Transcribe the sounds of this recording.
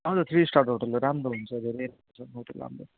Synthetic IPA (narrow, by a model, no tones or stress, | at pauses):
ʌd͡zʌt̪ʰrisʈaɾʈɦoʈʌlːoɾamɾoɦunt͡sʰʌd̪ʱeɾejɾamɾot͡sʰʌɦoʈʌ̰lɾa̰mɾo̰